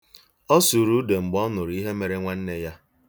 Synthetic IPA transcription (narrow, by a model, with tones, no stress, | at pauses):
ɔ˦su˨ɾu˦de˨ŋ͡m̩˨ɡ͡bɔ˦nʊ˨ɾi˦ɦe˦me˨ɾe˦ŋʷa˦n̩˦ne˦ja˦